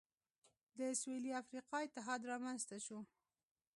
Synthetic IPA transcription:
d̪əsweliafɾiqɑɪt̪ɪɦɑd̪ɾɑmanzt̪aʃu

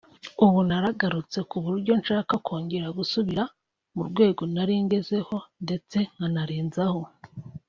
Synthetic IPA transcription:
uβunaɾaɡaɾut͡se̞kuβuɾuɾɟo̞nʃaːkakʰoːɲɟeɾaɡusuβiɾa | muɾɡwe̞ːɡo̞naɾiŋɡe̞ze̞ho̞nde̞t͡se̞ŋɡanaɾiːnzaho̞

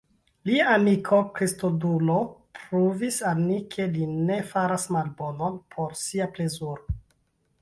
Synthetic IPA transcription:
liaːmikʰo̞kɾistodulopɾuvisalmikʰe̞line̞faɾasmalbo̞no̞npʰo̞ɾsiaple̞zuɾo

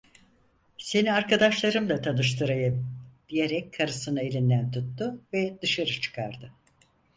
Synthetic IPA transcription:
se̞niaɾkad̪aʃlˠaɾɯmd̪ˠat̪ʰanɯʃt̪ʰɯɾajad̪̥ijeɾɛkʲkʰːaɾɯsɯnaelʲind̪ænt̪ʰut̪ːʊvɛd̪̥ɯʃaɾɯt͡ʃʰɯ̥kʰaɾd̪ɯ

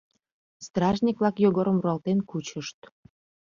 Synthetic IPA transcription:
st̪rɑʒnʲikvlɑkjoɣoɾəmruɑlt̪enkut͡ɕəʃt̪̚

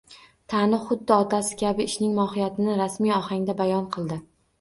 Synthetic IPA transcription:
t̪ʰanɪχʊd̪ːɪɒt̪ʰasɪ̥kʲabɪːʃnɪŋmɒhɪjat̪ʰɪnɪɾasmijɒhaŋd̪abajɒnqʰɨlˠd̪ɪ

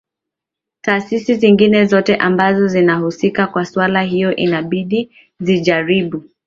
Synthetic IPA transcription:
taːsisiziŋɡinɛzɔtɛʔambazɔzinahusikakwasuwalaɦijɔʔinaɓiɗi | ziʄaɾiɓu

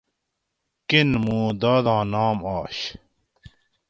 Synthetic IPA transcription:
kinmũːd̪aːd̪ɑ̃ːnaːmaːɕ

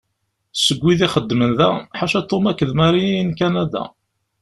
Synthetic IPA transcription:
səɡʷːiðiχəd̪ːmənðæħaʃæt̪ːomækːəðmæɾiijnkænæd̪æ̰

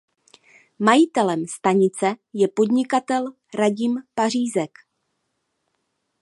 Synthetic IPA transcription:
majɪt̪ɛlɛmst̪aɲɪt͡sɛjɛpo̞d̪ɲɪkat̪ɛl | ɾaɟɪmpar̝iːzɛk

